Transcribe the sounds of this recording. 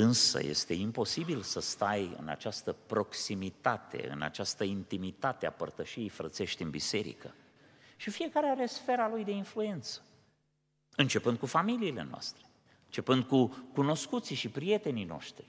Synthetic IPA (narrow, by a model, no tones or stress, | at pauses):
ɨnsə̰je̞̰st̪e̞impo̞sibilsəst̪ajɨ̰na̰t͡ʃast̪əpɾo̞ksimit̪at̪e̞̰ɨ̰na̰t͡ʃast̪əint̪imit̪at̪ea̰pərt̪əʃiejfɾət̪se̞ʃt̪ʲɨnbise̞ɾḭkə̰ | ʃifije̞kaɾeaɾe̞sfe̞ɾalujd̪e̞influe̞nt̪sə̥ | ɨnt͡ʃe̞pɨnd̪kufamiliːle̞̰noa̰st̪ɾe | ɨnt͡ʃe̞pɨnd̪̚kukuno̞skut̪siʃipɾije̞t̪e̞nino̞̰ʃt̪ɾi